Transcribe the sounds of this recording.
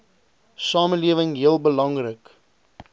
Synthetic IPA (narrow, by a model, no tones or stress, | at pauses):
sɑːməliəvəŋɦiəlˠbəlɐŋrək